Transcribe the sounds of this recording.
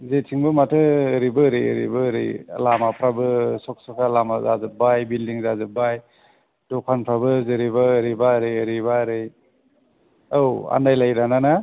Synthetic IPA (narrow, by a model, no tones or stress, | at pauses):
zetʰiŋbɯmatʰɯːɾibɯɾɯjɯ̰ɾḭbɯɾɯ̰jlamapʰɾabɯsɔk̚sɔkʰalamazazɯp̚bajbildiŋzazɯbaj | dɔkʰanpʰɾabɯzɯɾibaːɾibaɾɯjɯɾibaɾɯj | awa̰ndajlajɾanana